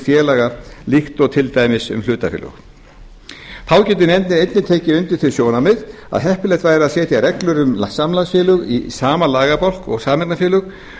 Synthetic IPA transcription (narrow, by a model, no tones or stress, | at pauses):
fjɛːlaɣaliht̪ɔɣt̪ʰɪlt̪ajmɪsʏ̰ml̥ʏːt̪afɪ̰lʏ̰x | θʰaːwcɛt̪ɪnɛnt̪nɪnejt̪nɪt̪ʰeːjcɪʏnt̪ɪɾ̥θʰɪlsjownamɪð | a̰ðɦɛhpʏlɛjht̪vaːjɾaðsɛːt̪jarɛklʏɾʏmasamlasfjɪːlʏɣḭsaːmalaːɣapɔwl̥kɔ̰ɣsaːmɛknafjɪːlʏɣ